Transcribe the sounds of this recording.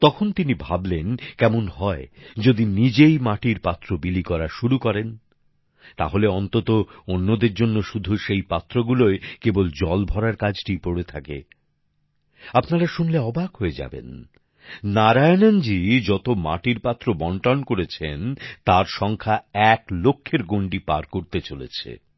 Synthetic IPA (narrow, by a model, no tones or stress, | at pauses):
t̪ɔkʰont̪inibʱablenkɛmonhɔed͡ʑod̪inid͡ʑejmaʈiɾpat̪ːɾobilikɔɾaʃuɾukɔɾen | t̪a̰ɦoleɔnt̪ot̪oonːod̪eɾd͡ʑonːoʃud̪ʱuʃejpat̪ːɾoɡuloekebold͡ʑɔlbʱɔɾaɾkad͡ʑʱʈipoɽet̪ʰakḛ | apnaɾaʃunleɔbaɡɦoed͡ʑa̰bḛn | naɾaenand͡ʑid͡ʑɔt̪oma̰ʈiɾpat̪ːɾobɔɳʈankoɾet͡ɕʰent̪aɾʃɔŋkʰaɛklokʰːeɾɡoɳɖipa̰ɾkoɾt̪et͡ɕolḛt͡ɕʰḛ